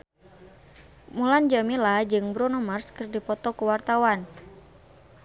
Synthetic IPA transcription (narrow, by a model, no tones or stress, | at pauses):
muland͡ʒamilad͡ʒɨŋbɾɔnɔmarskɨrdipɔt̪ɔkuwart̪awan